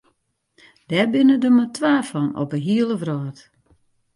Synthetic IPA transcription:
d̥ɛbɪnədəmatʰwaːfɔnɔ̰pəɦiəlˠəvrɔːt

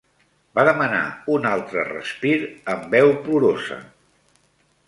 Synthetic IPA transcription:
baðəməna̰unalˠt̪ɾərə̰spiɾəmbɛwpuɾozə̰

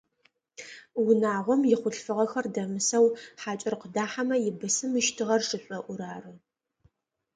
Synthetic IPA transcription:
wʊnaːʁʷɔmjɪχʷʊɬfɨʁɐxɐrdɐmɨsɐwħaːt͡ʃʼɪrqədaːħamɐjɪbɨsɨmɨʃtʰɨʁɐrʂʼɨɕʷʼɔʔʷʊɾaːrɨ

